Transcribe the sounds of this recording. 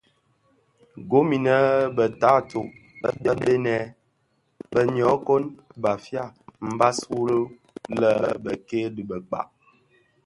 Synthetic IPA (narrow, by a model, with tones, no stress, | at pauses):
ɡo˨˦mi˨nə˦bə˨ta˨˦to˨ʔə̰˦bə˦be˦nɛ˨˦ | bə˦˨ɲɔ˨˦ko˦nba˨fja˦˨m̩˨ba˦su˦lə˦ | lə˦˨bə˨ke˦dɨ˨bə˨k͡pa̰˨ʔ